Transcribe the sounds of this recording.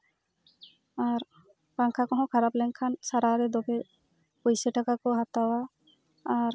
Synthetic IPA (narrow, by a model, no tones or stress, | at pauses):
aɾ | kaŋkʰakɔɦɔ̃kʰaɾaplɛŋkʰansaɾaɾɛd̪ɔbɛ | pujsɛʈakakɔɦat̪awaː | ɾ